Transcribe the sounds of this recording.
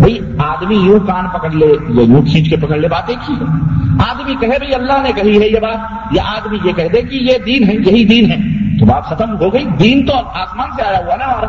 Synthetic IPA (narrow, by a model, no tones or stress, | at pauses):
bʱɐi | aːd̪mijũkaːnpɐkəɽlejejũkʰĩːt͡ʃkepɐkəɽlebaːt̪ẽkiɦɛːaːd̪mikɐɦebʱɐiɐlːaɦnekɐɦiɦɛjebaːt̪̚ | jaʔaːd̪mijekɛɦd̪ekijed̪iːnɦɛ̃jɐɦid̪iːnɦɛ̃ːt̪obaːt̪xɐt̪ʰəmɦoɡɐid̪iːnt̪oaːsmaːnseaːjaɦuanaɔːɾ